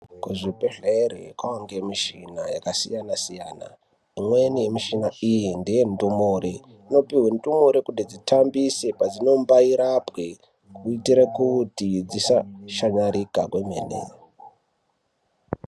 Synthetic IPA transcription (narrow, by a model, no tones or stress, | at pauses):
kuʐipeɮeɾekwawaŋɡemiʃinajakasijanasijaːna̰ | imwe̞nije̞miʃinaijindijentumoɾe | ino̞piwentʼumoɾekundid͡zitʰambise̞pad͡zino̞mbaiɾapwe | kuitiɾekutid͡zisaʃaɲaɾika̰kwemḛnḛ